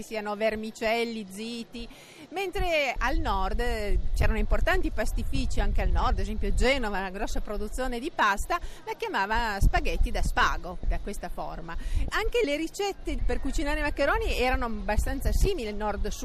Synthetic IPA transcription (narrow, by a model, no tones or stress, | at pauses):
isiːanovermit͡ʃɛlːid̪ziːt̪i | ment̪ɾealnɔrd̪t͡ʃɛːɾanoimport̪ant̪ipast̪ifit͡ʃiaŋkealnɔrd̪adezɛmpjod͡ʒɛːnovanaɡɾɔsːapɾod̪ut̪sːjoːned̪ipast̪alakjamaːvaspaɡet̪ːid̪aspaːɡod̪akwest̪afo̰rmaaŋkeleɾit͡ʃɛt̪ːeperkut͡ʃinaːɾeimakːeɾoːniɛːɾanoabast̪ant̪sasiːmilinɔrd̪su